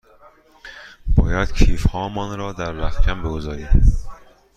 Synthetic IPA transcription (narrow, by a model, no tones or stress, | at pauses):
b̥ɒːjæd̪̥cʰiːfhɒːmɒːnɾɒːd̪æɾvæfcʰæmbeɡozɒːɾiːd̪